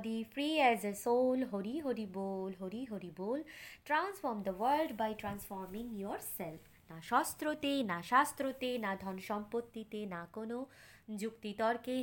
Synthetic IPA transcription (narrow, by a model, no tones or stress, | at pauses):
d̪ifɾiɛzəsoːlɦoɾiɦoɾibolɦoɾiɦoɾibolʈɾansfɔɾmd̪əʋəɾlɖbajʈɾãnsfɔɾmĩŋjɔɾsɛlf | naʃɔst̪ɾot̪enaʃast̪ɾot̪enad̪ʱɔnʃɔmpot̪ːit̪enakono | d͡ʒukt̪it̪ɔɾke